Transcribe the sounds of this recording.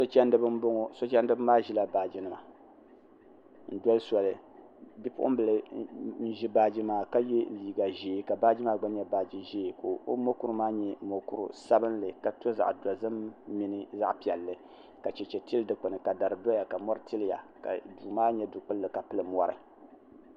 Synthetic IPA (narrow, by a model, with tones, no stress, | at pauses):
so˦t͡ʃɛ˦ndɨ˦bɨ˦m˦bʊ˦ŋʊ˦so˦t͡ʃɛ˦ndɨ˦bmaː˦ʒi˦la˨baː˨d͡ʒi˦nɨ˦ma˨ | n̩˦dɔ˦lsɔ˨lɨ˨ | bi˦pʊ̰˦ʔʊ˦m˦bɨ˨lɨ˨n̩˦ʒi˦baː˦d͡ʒi˦maː˨ka˦je˦liː˨ɡa˨ʒeː˨˦ka˨baː˦d͡ʒi˦maː˦ɡ͡ba˦ɲɛ˦baː˨d͡ʒi˨ʒeː˦˨ko˨o˦mo˦ku˦ɾmaː˦ɲɛ˦mo˨ku˦ɾṵ˨sa˦bɨ˦n˦lɨ˨ka˨to˦za̰˨ʔda˨zɨ˦mːi˦nɨ˦za̰˦ʔpi˨ɛ˨lːɨ˨ | ka˨t͡ʃɛ˨t͡ʃɛ˨ti˦lɨ˦dɨ˦k͡pɨ˨nɨ˨ka˨da˨ɾɨ˨dɔ˦ja˨ka˨mɔ˦ɾɨ˦ti˦lja̰˨ka̰˨du˨maː˦ɲɛ˦du˨k͡pɨ˦lːɨ˨ka˨pɨ˦lɨ˨mɔ˦ɾɨ̰˨